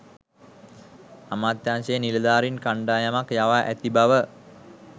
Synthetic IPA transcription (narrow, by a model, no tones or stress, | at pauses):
amaːt̪jaːnsejəniləd̪aːɾinkaɳɖaːjamakjaʋaʔæt̪ibaʋə